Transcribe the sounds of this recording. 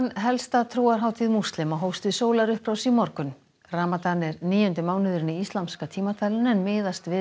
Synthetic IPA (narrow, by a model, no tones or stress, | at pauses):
hanɦɛlst̪at̪ʰɾuːaɾɦaːwt̪ʰiðmust̪lɪmaɦowst̪ɪðsoːwlaɾʏhpɾaːwsimɔɾkʏn | raːmat̪anɛɾniːjʏnt̪ɪmaːwnɪðʏɾɪnːɪist̪lamskat̪ʰiːmat̪ʰalʏnɛnmɪːðast̪vɪ